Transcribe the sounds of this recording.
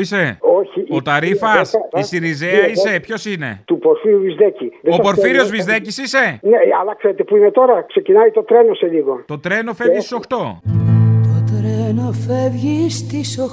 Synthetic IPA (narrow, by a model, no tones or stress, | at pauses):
ise̞oçiot̪ɐɾifɐsisiɾizeɐisse̞pço̞sine̞̰t̪upoɾfiɾuvizðeciðeopo̞ɾfiɾio̞zvizðecisise̞neɐ̰lɐkseɾet̪epuimet̪o̞ɾɐkse̞cinait̪o̞t̪ɾenoseliɣo̞t̪o̞t̪ɾe̞no̞fe̞vʝist̪iso̞xt̪o̞ | t̪ot̪ɾenofevʝist̪iso